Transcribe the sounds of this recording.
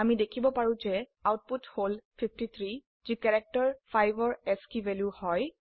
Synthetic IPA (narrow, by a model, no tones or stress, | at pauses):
amidekʰibɔpaɹũzɛ | awt̚putholpʰip̚ʰtit̪ʰɹi | zikɛɹɛk̚tɔɹpʰajbɔɹɛskivɛljuhɔj